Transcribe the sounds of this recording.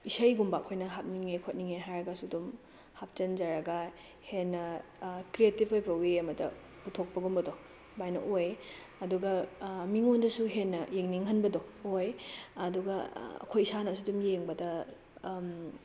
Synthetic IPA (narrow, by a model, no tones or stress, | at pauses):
isɐjɡumbakʰojnɐɦap̚niŋekʰot̚niŋeɦajɾɐɡɐsudum | hap̚t͡ʃɐnd͡ʒaɾɐɡɐ | henːɐkɾietibojpɐweɐmɐdɐ̰ | putʰok̚pɐɡumbɐdo | bajnɐ̰ʔoj | ɐduɡɐmiŋondɐsuɦenːɐjeŋniŋɦɐnbɐdoojɐduɡɐɐ̰kʰojsanɐsudumjeŋbɐdɐ